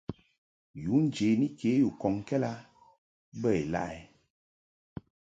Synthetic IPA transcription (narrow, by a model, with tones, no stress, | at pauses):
ju˨˦n̩˦d͡ʒe˨˦ni˦kʰe˨˦ju˨kɔ˨ŋ˨kɛ˦la˦ | bə˦˨e˨la̰˦ʔɛ˨